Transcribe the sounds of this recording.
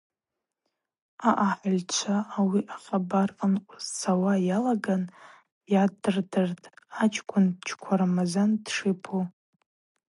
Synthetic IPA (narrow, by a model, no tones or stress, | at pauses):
aʔaħʷʊlʲt͡ʃʷʰaʔːwiʔaχabarənqʷʼʊzsʰawajalaɡan | jadɨrdɨrtʼat͡ʃʼʰkʷʰʼʊnt͡ʃʰkʷʰaɾamazandʂɨpʰu